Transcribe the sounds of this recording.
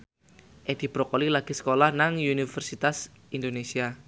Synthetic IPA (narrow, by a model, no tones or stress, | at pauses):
ʔed̪̥i̤b̥ɾokolilaɡ̥isə̥kolahnaŋunifərsit̪as | ind̪onesia